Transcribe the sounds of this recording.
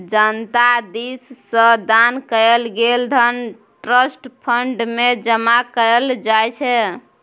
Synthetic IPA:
d͡ʒənt̪ad̪isːə̃d̪ankəlɡeld̪ʱən | ʈɾəsʈpʰəɳɖmed͡ʒəmakəəld͡ʒajt͡ʃʰɛ

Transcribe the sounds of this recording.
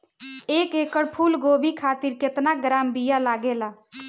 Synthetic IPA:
eːkekəɽpʰuːlɡoːbʱikʰaːt̪iɾket̪naɡɾaːmbijalaɡela

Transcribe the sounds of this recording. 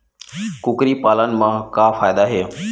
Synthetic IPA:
kʊkɾiːpaːlənɪ̆mãːkãːfaːɪd̪aɦeː

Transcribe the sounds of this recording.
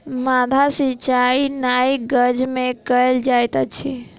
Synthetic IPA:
mad̪ʱasit͡ʃainaiɡəd͡ʒmekəld͡ʒajt̪ət͡ʃʰi

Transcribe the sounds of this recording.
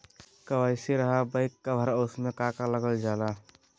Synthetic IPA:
kəʋəjseɾəɦabəɪkːabʱəɾaosmekakaləɡəld͡ʒala

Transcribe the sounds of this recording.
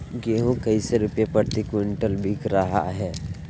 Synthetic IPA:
ɡeɦũkɐiseɾʊpjepɐɾt̪ikɪɳʈəlbʱikɾɐɦa̰ɦɛː

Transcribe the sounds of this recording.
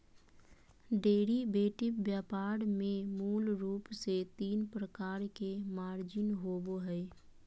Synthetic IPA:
ɖeːɾibeːʈɪbjaːpaːɾmẽmuːlɾuːpset̪iːnpɾəkaːɾkemaːɾd͡ʒɪnɦoːboɦɛɛ

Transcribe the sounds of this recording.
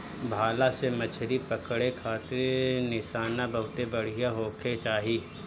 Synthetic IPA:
bʱaːlasemɐt͡ʃʰɾipɐkɽekʰaːt̪ɪɾnɪsaːnabɐɦʊt̪ebɐɽ̤ijaɦoːkʰet͡ʃaːɦiː

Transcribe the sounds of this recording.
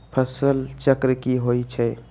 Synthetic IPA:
pʰəsəlt͡ʃəkɾəkiɦoːit͡ʃʰɛː

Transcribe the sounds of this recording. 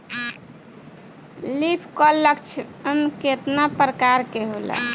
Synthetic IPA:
lipʰkɔləkt͡ʃʰəmket̪napɾəkaɾkeɦolɛ̰

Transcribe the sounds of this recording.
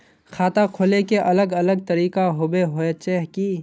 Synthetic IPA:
xʰaːt̪akʰoːlekeʔɐləɡɐləɡ̚t̪ɐɾiːkaɦʊbeɦoet͡ʃeɦkiː

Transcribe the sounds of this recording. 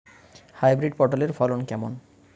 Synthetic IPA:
hajbɾiɖpoʈaleɾfɔlonkɛmon

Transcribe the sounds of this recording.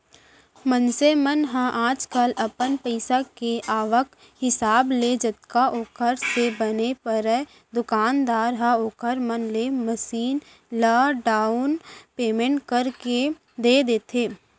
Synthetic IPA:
mənsemənɦãʔaːd͡ʒkəlɐpənpəɪsakeʔaːʋək | hɪsaːbled͡ʒət̪̚kaʔoːkəɾsebənepəɾɛ | d̪ʊkaːnd̪aːɾɦãoːkʰəɾmənleməʃiːn | laːɖaːʊnpeːmẽɳʈkəɾke | d̪eːd̪eːt̪ʰeː

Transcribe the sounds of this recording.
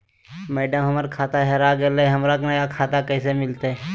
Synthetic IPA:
mɛːɖəmɦəməɾkʰaːt̪aɦɛɾaɡeleɦəmɾaknɐjakʰaːt̪akɛːsemɪlt̪e

